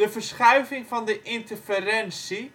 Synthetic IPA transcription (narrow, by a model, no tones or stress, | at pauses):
dəfərsχœɥvɪŋfɑndəʔɪntərfərɛnsi